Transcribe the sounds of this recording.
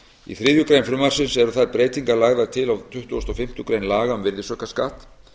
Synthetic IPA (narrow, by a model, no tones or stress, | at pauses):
ḭθɾɪːðjʏkɾejnfɾʏmarsɪnsɛɾʏθaðpɾeːjt̪iŋkaɾlaɣðaðt̪ʰɪlawt̪ʰʏht̪ʏɔst̪ɔfɪm̥t̪ʏkɾejnlaːɣaʏmvɪɾðɪsœhkaskat̪